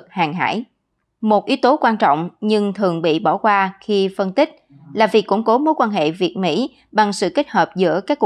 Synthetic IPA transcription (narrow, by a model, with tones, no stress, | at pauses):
k̚haː˨˩ŋɦa̰ː˧˥j | mo˨˩t̚ʔi˨˦wt̪o˨˦kwaː˧nt͡ɕɔ̰˧˨wŋ͡mɲɨ˧ŋt̪ʰɨ˨˩əŋɓḭ˧˨ɓɔ˧˩kwaː˧xi˧fə˧nt̪ï˦˥k̟̚ | laː˨˩vi˨˩əkːʊ˧˥˩ŋ͡mko˨˦mo˨˦jkwaː˧nɦḛ˧˨vi˨˩ət̚mḭ˧˥ | ɓa˨˩ŋsɨ̰˧˨ke˦˥t̚həː˨˩p̚zɨ̰˧˥əkaː˦˥kːu˨